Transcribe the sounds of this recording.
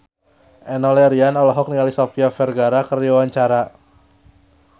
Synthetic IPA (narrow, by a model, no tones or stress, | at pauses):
ʔɛnɔlɛɾianɔlɔɦɔk̚nialisɔfiafɛrɡaɾakəriawaɲt͡ʃaɾa